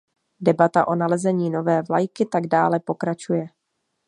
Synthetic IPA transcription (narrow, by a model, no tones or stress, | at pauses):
dɛbat̪aʔo̞nalɛzɛɲiːno̞vɛːvlajkɪt̪aɡdaːlɛpo̞kɾat͡ʃujɛ